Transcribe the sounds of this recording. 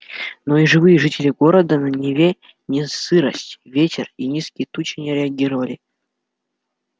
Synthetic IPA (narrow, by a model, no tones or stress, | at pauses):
noiʐɨvɨjəʐɨtʲɪlʲɪɡoɾəd̪ənɐnʲɪvʲe | nʲɪsɨɾəsʲtʲvʲetʲɪrinʲiskʲɪjt̪ut͡ɕɪnʲɪɾʲɪɐɡʲiɾəvɐlʲɪ